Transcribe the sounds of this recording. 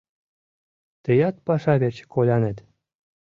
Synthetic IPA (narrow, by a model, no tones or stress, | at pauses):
t̪ə̆jɑt̪̚pɑʂɑβerʲt͡ɕkolʲɑnĕt̪ʲ